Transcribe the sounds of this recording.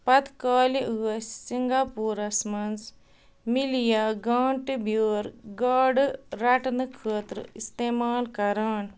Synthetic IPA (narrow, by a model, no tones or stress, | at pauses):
pɐt̪kaːliʔuːɐssiŋɡaːpuːɾɐsmɐns | milijaɡaːɳʈbjuːɾɡaːɖɾɐʈnɨkʰəːt̪ɾɨ̰ist̪eːmaːlkɐɾaːn